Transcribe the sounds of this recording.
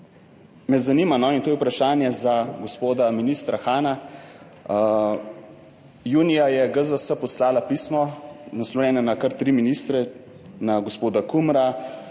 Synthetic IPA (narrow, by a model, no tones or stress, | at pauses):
mɛzanimanɔint̪oːjwpɾaʃaːnjɛzaɡospoːd̪aminiːst̪ɾaxaːna | juːnijajɛɡəzəsəpɔslaːlapiːsmɔnaslɔwjɛːnanakaɾt̪ɾiminist̪ɾɛ | naɡospoːd̪akumɾa